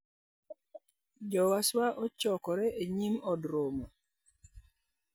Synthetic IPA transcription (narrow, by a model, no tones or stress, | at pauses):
d͡ʒɔwaswaʔɔt͡ʃɔkɔɾɛʔeɲimɔdɾomɔ